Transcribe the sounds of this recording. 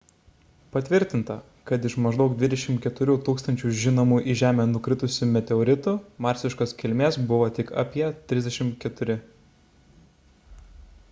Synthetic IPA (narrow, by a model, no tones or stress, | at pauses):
pɐt̪ʲʋʲɪɾʲt̪ʲɪnt̪ɐ | kɐt̪ɪʃmɐʒd̪ɐʊk̚d̪ʋʲɪd̪ʲɛʃʲɪmtkʲɛt̪ʊɾʲuːt̪uːkst̪ɐnʲt͡ʃʲʊʒʲɪnomuːʔiʒʲæːmʲeːnʊkɾʲɪt̪ʊsʲɪmʲɛt̪ʲɛɔɾʲɪt̪ʊmɑˑɾʲsʲɪʃkoːskʲɪlʲmʲeːsbʊʋoːt̪ʲɪkɐ̰pʲiɛt̪ʲɾʲɪzd̪ʲɛʃʲɪmkʲɛt̪ʊɾʲɪ